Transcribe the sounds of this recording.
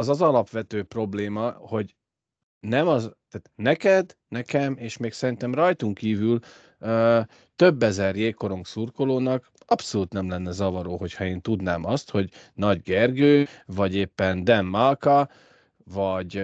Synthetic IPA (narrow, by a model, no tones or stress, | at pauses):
ɒzɒzɒlɒpʋɛt̪øːpro̞bleːmɒho̞ɟ | nɛmɒzt̪aːt̪nɛkɛd̪nɛkɛmeːʃmeːksɛɾint̪ɛmrɒjt̪uŋkiːvyl | ø | t̪ø̞bːɛzɛrjeːkːo̞ɾo̞ŋksurkoloːnɒk | ɒpso̞luːt̪nɛmlɛnːɛzɒvɒɾoːɦo̞chɒeːnt̪ud̪naːmɒst̪ho̞ɟ | nɒɟɡɛrɡøːvɒɟeːpːɛnd̪ɛmːalkɒ | vɒɟ